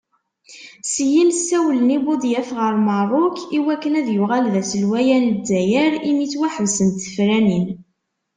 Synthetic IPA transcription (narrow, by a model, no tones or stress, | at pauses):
sjinsːæwlənibʊd̪ˤjæfʁəɾmɑrˤʊkiwækːənæðjʊʁælðæsəlwæjændːæjəɾimit͡sːwæħəvsənt̪ə̥fɾænin